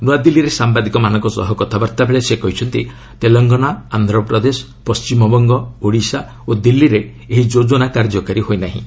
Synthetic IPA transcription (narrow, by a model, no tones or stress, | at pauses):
nuad̪ilːiɾesambad̪ikɔmanɔ̃ŋkɔsɔ̰ɦɔkɔt̪ʰabɔɾt̪abeɭesekɔɦit͡ʃʰɔnt̪i | t̪elɔŋɡɔnaand̪ʱɾɔpɾɔd̪esɔ̥ | pɔst͡ʃimɔbɔŋɡɔoɽisa | od̪ilːiɾe | eɦid͡ʒod͡ʒɔnakaɾd͡ʒɔkaɾiɦojnaɦḭ̃